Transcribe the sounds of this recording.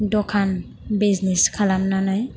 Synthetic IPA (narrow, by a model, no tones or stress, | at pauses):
dɔkʰan | bizniskʰalamnanaj